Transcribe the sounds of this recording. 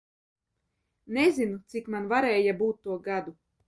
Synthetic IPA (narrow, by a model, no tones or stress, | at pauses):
nezinut̪sikmanvaɾɛːjabuːt̪̚ːuɔɡad̪u